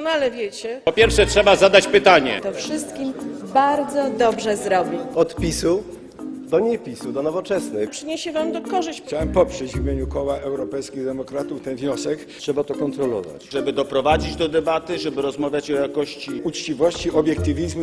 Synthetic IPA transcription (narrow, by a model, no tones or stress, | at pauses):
ɔnalɛvʲjet͡ɕɛpɔpʲjɛɾfʂɛtʂɛbazad̪at͡ɕpɘt̪aɲɛ̰t̪ɔfʂɘst̪kʲimbaɾd̪zɔd̪ɔbʐɛzɾɔbʲiɔt̪pʲisu | d̪ɔɲɛpʲisud̪ɔnɔvɔt͡ʂɛsnɛpʂɘɲeɕɛvamd̪ɔkɔʐɪɕt͡ɕawɛmpɔpʂɛd͡ʑvʲmʲjeɲukɔwaʔɛwɾɔpɛjskʲiɣd̪ɛmɔkɾat̪uft̪ɛnvɲɔsɛk | tʂɛbat̪ɔkɔnt̪ɾɔlɔ̰va̰t͡ɕʐɛbɘd̪ɔpɾɔvad͡ʑid͡ʑd̪ɔd̪ɛbat̪ɘʐɛbɘɾɔzmavʲjat͡ɕɔjakɔɕt͡ɕiut͡ʂt͡ɕivɔɕt͡ɕiɔbʲjɛk̚t̪ɘvʲizmu